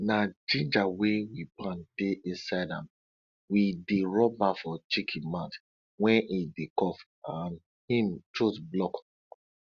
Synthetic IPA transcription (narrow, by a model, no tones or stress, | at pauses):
nad͡ʒĩnd͡ʒawewipãndeʔĩnsaɪdã̰m | wideɹɔbafɔt͡ʃikʰimãt | wɛ̃nʔidekɔf | an | hĩmt͡ʃosblɔk